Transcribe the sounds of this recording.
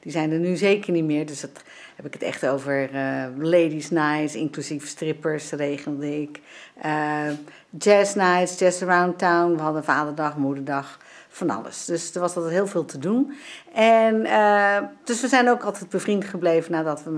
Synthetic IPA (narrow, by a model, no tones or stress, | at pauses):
d̥izɛjndənyzejkəɹnitmɪːɹdøsdɑt | hɛpɪkətɛ̰χtowvəɹlejdisnajtsɪ̰ŋklyzivəstrɪpəɹsrejχəlˠdɪkʔə | d͡ʒɛsnajtsd͡ʒɛsəɹawntawnʋəɦɑdənvaːdəɹdɑχmudəɹdɑχ | fɑnɑ̰lə̰sd̥øsdəɹʋɑsɑlˠtɛtɦɪːlˠvɪːlˠtʰədunʔɛnəd̥øsʋəzɛjnowkɑlˠtɛjt̚bəvrintχəblejvənaːdɑtʋə